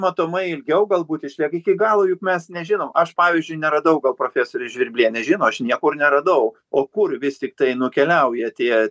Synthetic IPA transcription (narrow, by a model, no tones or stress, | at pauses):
mɐt̪oːmɐɪɪlʲɡʲɛʊɡɐlˠbuːt̪ɪʃʲlʲiɛkɪkʲɪɡɑːlˠoːjʊkmʲɛsnʲɛʒʲɪnoːmɐʃpɑːʋʲizʲd͡ʒʲʊɪnʲɛɾɐd̪ɐʊɡɐlˠpɾoːfʲæːsoːɾʲʊʒʲʋʲɪrʲbʲlʲiɛnʲɛʒʲɪːnoːɐʃnʲiɛkʊrnʲɛɾɐd̪ɐʊ | oːkʊrʋʲɪst̪ʲɪk̚t̪ɐɪnʊkʲɛlʲɛʊjɛt̪ʲiɛ